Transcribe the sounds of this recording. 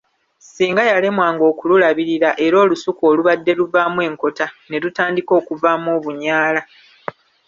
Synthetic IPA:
siːŋɡajale̞mwaːŋɡo̞ːkululaβiɾiɾaʔe̞ɾo̞ːlusukoːluβadːe̞luvaːmwe̞ːŋko̞tane̞ɾutaːndiko̞ːkuvaːmoːβuɲaːla

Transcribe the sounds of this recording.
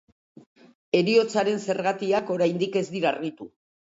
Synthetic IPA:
e̞ɾio̞t͡saɾe̞nse̞ɾɣat̪iako̞ɾajnd̪ike̞zd̪iɾarɣit̪u

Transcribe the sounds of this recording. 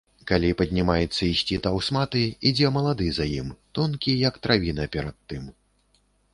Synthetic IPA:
kalʲipɐd̪ʲnʲimajɛt̪sːɐisʲt͡sʲit̪awsmat̪ɨid͡zʲɛmɐlˠad̪ɨzajimt̪ɔnkʲijɐkt̪ɾavʲinɐpʲɛɾɐt̪ːɨm

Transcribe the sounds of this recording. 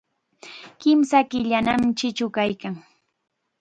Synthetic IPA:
kɪmsakɪʎanamt͡ʃɪt͡ʃʊkajkaŋ

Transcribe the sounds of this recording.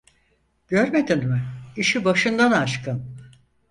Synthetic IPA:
ɟ̥øɾme̞d̪inmɪiʃibaʃɯnd̪anaʃkʰɯn

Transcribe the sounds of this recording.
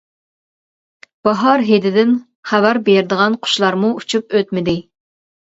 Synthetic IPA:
b̥ɑɦɑɾɦed̪ɪd̪ɪn | χævæɾbeɾɪd̪əʁɑnqʰʊ̥ʃlˠɑɾmuut͡ʃʰup̚øt̪mɪd̪ɪ

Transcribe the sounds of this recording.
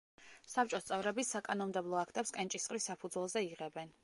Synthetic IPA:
sap̚ʰt͡ʃʼɔst̪sʼɛvɾɛbisːakʼanɔnmd̪ɛblˠɔakʰt̪ʼɛpskʼɛnt͡ʃʼisχʼɾisːapʰud̪zwɛlˠzɛiʁɛbɛn

